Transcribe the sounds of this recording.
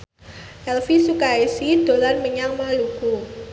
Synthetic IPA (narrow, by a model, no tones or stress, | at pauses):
ʔɛlfisukaesid̪̥o̤larməɲaŋmaluɡ̥u